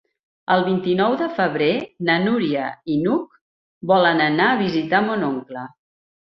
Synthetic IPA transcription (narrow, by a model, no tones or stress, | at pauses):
əlˠβint̪inɔwðəfəβɾenənuɾiəinuk̚ | bɔlənənaəβ̞izit̪amonoŋklə